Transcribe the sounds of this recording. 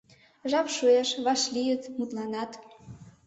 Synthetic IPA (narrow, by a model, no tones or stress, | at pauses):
ʒɑpʃueʃβɑʃlijət̪mut̪lɑnɑt̪